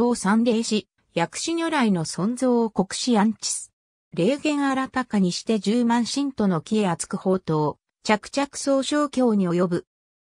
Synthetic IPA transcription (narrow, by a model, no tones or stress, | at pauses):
o̞ːsãnɾʲe̞ːɕi | jakɯ̟̥ɕiɲʲoɾaino̞sõ̞nd͡zo̞ːoko̞kɯ̟̥ɕijãɲ̟t͡ɕi̥sɨ̥ | ɾe̞ːɡẽ̞ɰ̃aɾat̪akaɲ̟iɕi̥t̪e̞d͡ʑɨːmãɰ̃ɕĩnt̪o̞no̞kʲie̞at͡sɨ̥kɯ̟ho̞ːt̪o̞ː | t͡ɕakɯ̥t͡ɕakɯ̟̥so̞ːɕo̞ːkʲo̞ːɲ̟io̞jo̞bɯ̟